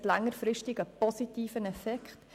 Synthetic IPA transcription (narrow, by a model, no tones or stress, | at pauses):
tlaŋːəɾfɾɪʃtɪɡəpɔsitiːfənɛfɛkχt